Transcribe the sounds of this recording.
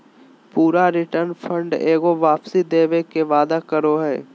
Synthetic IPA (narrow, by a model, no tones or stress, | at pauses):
puːɾaɾɪʈəɾnpʰə̃ɳɖeːɡoʋaːpsid̪eːʋekeʋaːd̪akəɾoɦɛː